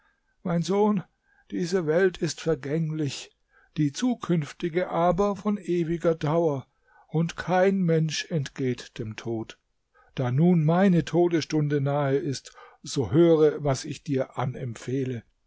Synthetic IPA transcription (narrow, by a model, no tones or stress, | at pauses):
maɪnzoːn | d̥iːzəvɛltʰɪstfɛɐɡɛŋlɪç | d̥iːt͡suːkʰʏnftɪɡəʔaːbɐfɔnʔeːvɪɡɐdaʊɐ | ʔʊntkʰaɪnmɛnʃɛntɡ̥eːtd̥eːmtʰoːt | d̥aːnuːnmaɪnətʰoːdəsʃtʊndənaːəʔɪstz̥oːhøːʁəvasɪçd̥iːɐʔanɛmfeːlə